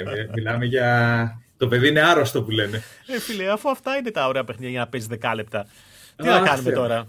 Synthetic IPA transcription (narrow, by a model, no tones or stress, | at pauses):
imilɐmeʝɐt̪opeðiineaɾoɐst̪opuleneefileɐfuɐft̪ɐinet̪ɐoɾeɐpexiɲɐjɐnɐpezizðekɐlep̚t̪ɐ | t̪ilɐkɐnumet̪oɾɐ